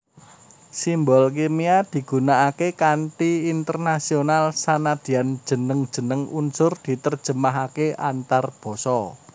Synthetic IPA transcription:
simbɔlk̬emiad̪̥i̤ɡ̥ṳnaʔakekanʈiːnt̪ərnasionalsanad̪̥i̤and̥ʒ̥ə̤nəŋd̥ʒ̥ə̤nəŋunsʊrd̪̥i̤t̪ərd̥ʒ̥ə̤maɦakeant̪arb̥ɔ̤sɔ

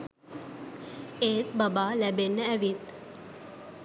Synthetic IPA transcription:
eːt̪bəbalɛbenːəɛʋit̪

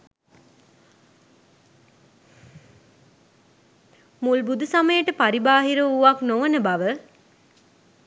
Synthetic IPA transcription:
mulbud̪usaməjəʈəpaɾibaːɦiɾəuʋaknoʋənəbaʋə

